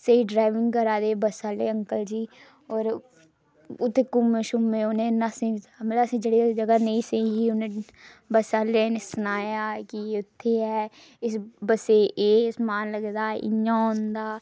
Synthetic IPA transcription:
səiɖɾaːɪʋɪŋɡkəɾaːd̪eːbəsaːleːə̃ŋkəld͡ʒiː | ɔːɾ | ʊt̪ʰːekʊmːeʃʊmẽːʊnẽːnasĩmət̪əbəsĩːd͡ʒəɽeːd͡ʒəɡaːnəĩːseɦiʊnẽː | bəsaːleːnesʊnaːjaːkiʊt̪ʰːeːɛː | ɪsbəseːʔeːsmaːnləɡd̪aːɪ̰ɲãːɦʊ̃nd̪aː

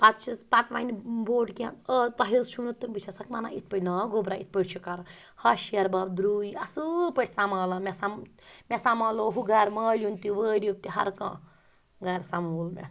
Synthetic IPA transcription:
pat̪t͡ʃʰispat̪ʋa̰niboːɖkʲãət̪ɐɦisʃʰunut̪ːɨnbɨt͡ʃʰasɐkmana̰it̪̚ʰpɐnɐːɡobɾait̪̚ʰpəɽʲt͡ʃʰukaɾ | hɐʃjɐɾbaːbd̪ɾuiɐsɨlpəʈʰʲsamaːlɐmʲɛsammʲesamaːloɦuɡaːɾmaːlʲunt̪iʋəːɾʲupt̪iɦɐ̰ɾkã̰ː | ɡaɾsamuːlmʲɛ̰

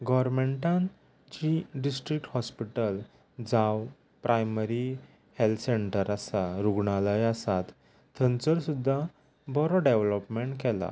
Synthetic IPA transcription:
ɡɔɾmeɳʈãn | t͡ɕiɖisʈɾik̚ʈhɔspiʈəl | d͡zaw | pɾʔajməɾi | helt̪ʰseɳʈəɾasaɾuɡɳaləjasat̪ | t̪ʰːənt͡səɾsud̪ʱːa | bɔɾɔɖeʋlɔpmeɳʈkɛla̰

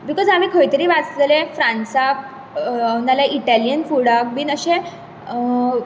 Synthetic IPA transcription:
bikɔzd͡zamikʰəjt̪əɾiːʋat͡sləlefɾãnsak̚ | analaʔiʈalijənfuɽak̚biːnəɕẽ

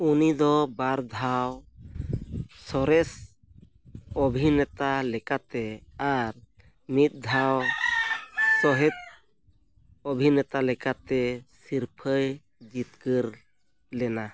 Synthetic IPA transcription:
unid̪ɔbaɾd̪ʱaw | sɔɾɛs | ɔbʱinɛt̪alɛkat̪ɛaɾ | mit̪̚ˀd̪ʱaw | sɔɦɛt̪̚ | ɔbʱinɛt̪alɛkat̪ɛsiɾpʰəj | d͡ʒit̪̚kəɾ | lɛna

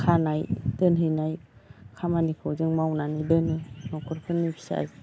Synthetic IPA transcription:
kʰanajtɯnɦɯnajkʰamanikʰɔzɯŋmawnanibɯnɯnɔkʰɔɾkʰɯnːɯbʰi̥sa̰j

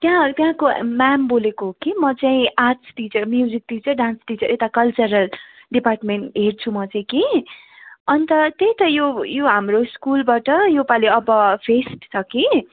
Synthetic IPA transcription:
t̪jãt̪jãkomambolekoɦokimʌt͡saĩat͡sʈit͡sʌrmjuzik̚ʈit͡sʌrɖãnsʈit͡sʌɾet̪akʌlt͡sʌɾʌl | ɖiparʈmeɳʈɦert͡sʰumʌt͡saĩki | ʌnit̪ʌt̪ejĩt̪ʌjojoɦamroskulbaʈʌjopaliʌbʌpʰesʈt͡sʰʌki

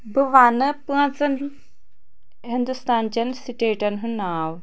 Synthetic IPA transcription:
bəʋaːnɐpɨãt͡sɐn | ɦind̪ust̪aːnt͡ɕɐnsiʈeːʈɐnɦunːaːw

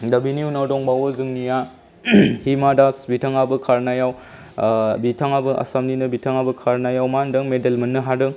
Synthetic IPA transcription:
dɐbiniunawdɔŋbawɐzɯŋnija | himadasbitʰaŋabɯkʰaɾnajaw | bitʰaŋabɯʔɐ̰samninɐbitʰaŋabɐkʰaɾnajawmandɐŋmedelmɐnːɯɦadɯŋ

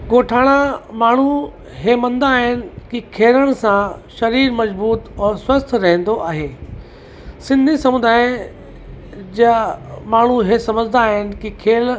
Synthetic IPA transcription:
koːʈʰaːɽ̃amaːɳ̤u | ɦemɐ̃nd̪aːɦɪnɪ̆kikʰeːɾəɽ̃̆sãʃɐɾiːɾmɐzbuːt̪ɔːswɐst̪ʰɾɐɦɛ̃nd̪oʔaːɦeː | sɪ̃nd̪ʱisɐmʊ̃d̪d̪aːj̃ | d͡ʑamaːɳ̤uɦesɐməd͡ʑɪ̃nd̪aːɦɪnɪ̆kikʰeːl

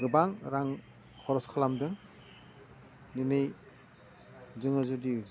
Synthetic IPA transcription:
ɡɯbaŋɾaŋ | hʰɔɾɔskʰalamdɯŋ | ninɯj | zɯŋazudi

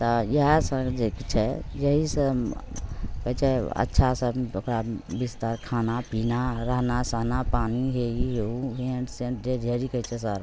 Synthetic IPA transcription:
t̪ɔjəɦsə̃ɡd͡ʒekit͡ʃʰɛjəɦisə | kət͡ʃʰɛə̰tːʃʰasəbokɾabist̪aɾkʰanapinaɾəɦnasəɦnapaniɦeiɦeuɦẽɖseɖed͡ʒʱeɾikəjt͡ʃʰɛsəɾ

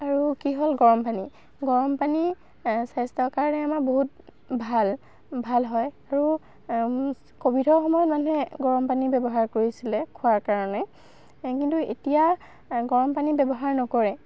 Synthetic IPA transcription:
aɹukiɦolɡɔɹɔmpani | ɡɔɹɔmpani | sajstɔkaɹɔnɛamakboɦut̚ | bʱal | bʱalɦɔjaɹu | kobitʰɔɹxɔmɔjɔtmanuɦɛɡɔɹɔmpanibɛbɔɦaɹkoɹisilɛkʰuwaɹkaɹɔnɛ | kintuḛtija | ɡɔɹɔmpanibɛbɔɦaɹnɔkɔɹɛ

